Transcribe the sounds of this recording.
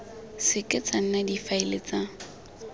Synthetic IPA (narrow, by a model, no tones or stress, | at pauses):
sɪkʼɪt͡sʼaŋ̩nadifaɪlɪt͡sa